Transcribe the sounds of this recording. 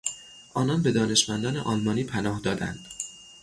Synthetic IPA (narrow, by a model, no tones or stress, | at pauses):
ʔɒːnɒnbe̞d̪ɒːne̞ʃmænd̪ɒːnḛʔɒːlmɒːniːpʰænɒːhd̪ɒːd̪æ̰nd̪̥